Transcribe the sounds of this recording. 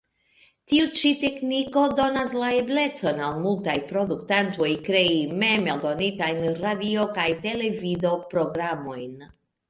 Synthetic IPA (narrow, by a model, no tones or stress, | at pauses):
t̪iut͡ʃit̪e̞kniko̞d̪o̞naslaeble̞t͡so̞nalmultajpɾo̞d̪uktant̪ojkɾeimemeld̪o̞nit̪ajnɾadio̞kajt̪e̞le̞vid̪o̞pɾo̞ɡɾamo̞jn